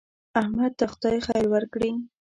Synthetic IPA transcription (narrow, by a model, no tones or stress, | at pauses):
ahmad̪̚t̪axt̪ɑjxajɾwaɾkɽi